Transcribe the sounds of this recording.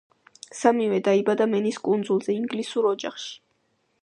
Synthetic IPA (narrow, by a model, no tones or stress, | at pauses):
samivɛd̪aibad̪amɛniskʼund̪zulˠzɛiŋɡlisuɾɔd͡ʒaχʃi̥